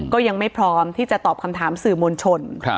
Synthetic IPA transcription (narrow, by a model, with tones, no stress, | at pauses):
kɔː˥˩ja˧ŋma˥˩jpʰɾɔː˦˥mt̪ʰiː˥˩t͡ɕa˨˩t̪ɔː˨˩p̚kʰa˧mt̪ʰaː˩˦msɯː˨˩moː˧nt͡ɕʰo˧n